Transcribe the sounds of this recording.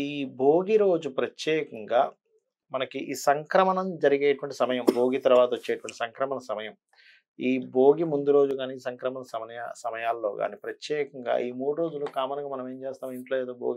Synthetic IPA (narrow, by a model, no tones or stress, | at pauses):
iːbʱo̞ːɡiɾo̞ːd͡ʒupɾɐtjɛːkɐŋɡaː | mɐnɐkiʔiːsɐŋkɾɐmɐnɐmd͡ʒɐɾiɡeːjɐʈuʋɐɳʈisɐmɐjɐmbʱo̞ːɡit̪ɐɾuʋaːt̪ɐot͡ʃːeːjɐʈʋɐɳʈi̥sɐŋkɾɐmɐnɐsɐmɐjɐm | iːbʱo̞ːɡimund̪uɾo̞ːd͡ʒuɡaːniːsɐŋkɾɐmɐnɐsɐmɐja̰sɐmɐjaːlːo̞ːɡa̰ːnipɾɐtjɛːkɐŋɡa̰ːiːmuːɽuɾo̞ːd͡ʒulukaːmɐnɐŋɡaːmɐnɐme̞ːmt͡ʃeːst̪aːmiɳʈloːeːd̪oːbʱo̰ːɡi